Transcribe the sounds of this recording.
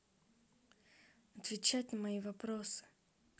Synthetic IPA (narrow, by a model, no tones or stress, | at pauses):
ɐt̪vʲɪt͡ɕatʲnəmɐivɐpɾosɨ̥